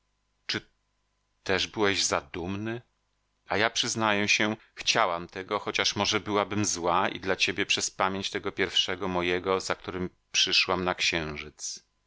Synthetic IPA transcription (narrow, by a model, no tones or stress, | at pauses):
t͡ʂɘ | t̪ɛʐbɘwɛʑzad̪umnɘ | ajapʂɘznajɛɕɛ | xt͡ɕawamt̪ɛɡɔxɔt͡ɕaʂmɔʐɛbɘwabɘmzwaḭd̪lat͡ɕebʲjɛpʂɛspamʲjeɲt͡ɕt̪ɛɡɔpʲjɛɾfʂɛɡɔmɔjɛɡɔzak̚t̪uɾɘm | pʂɘʂwamnakɕɛ̃w̃ʐɘt̪s